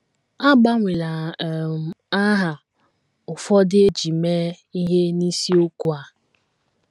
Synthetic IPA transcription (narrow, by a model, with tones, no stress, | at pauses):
a˦ɡ͡ba˦ŋʷe˨la˨ | a˦ɦa˨ | ʊ˨fɔ˦dɪ˦e˦d͡ʒi˨me˦ | i˦ɦe˦ni˦si˦o˦ku˦a˦